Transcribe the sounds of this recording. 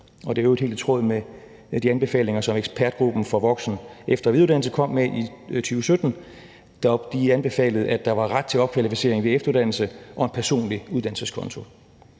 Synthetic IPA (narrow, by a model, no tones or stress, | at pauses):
ɒ̽d̥eæoed̥hḛːld̥t͡sʰʁɔðˠme | d̥iænb̥e̝fɛ̰ːle̝ŋɐsɒ̽meɡ̥spʰæɐd̥ɡ̥ʁub̥n̩fɒ̽ʋɒ̽ɡ̥sn̩efd̥ɐʋiðˠudæ̰nl̩səkʰɒ̽m̰meʔit͡sʰyːʊəsød̥n̩ | d̥ɑ̥d̥iænb̥e̝fɛ̰ːləð̞̩ˠæd̥ɑ̈ʋɑ̈ʁad̥̚t͡sʰe̝ɒ̽b̥̚kʰʋælifise̝̰ɐeŋʋeefd̥ɐuðˠd̥ænl̩səʔɒ̽enpʰæɐso̝̰ːnliuð̞ˠd̥ænl̩səskʰɒ̽nt͡sʰo̝